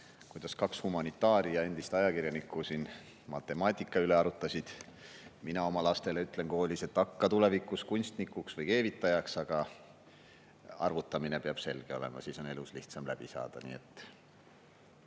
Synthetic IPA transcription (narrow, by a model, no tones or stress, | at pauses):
kujd̪̥ɑskɑkshumɑnit̪ːˑɑːɾijɑe̞nd̪̥ist̪ɑjɑkirjɑnikːˑusin | mɑt̪ːˑe̞mɑːt̪ʲːˑikːˑɑyle̞ɑɾut̪ːˑɑsʲid̪̥minɑo̞mɑlɑst̪e̞le̞yt̪ːˑle̞nko̞holʲise̞t̪ːˑɑkːɑt̪ule̞vikːˑuskunʲst̪nikːˑuksvɤjke̞ːvit̪ːˑɑjɑksɑɡ̥ɑ | ɑ̰rvut̪ːˑɑmine̞peɑb̥se̞lɡ̥e̞o̞le̞̰mɑ̰siːso̞ne̞lusliht̪sɑmlæb̥isɑ̰ːd̪̥ɑ̰nḭːe̞t̪ːˑ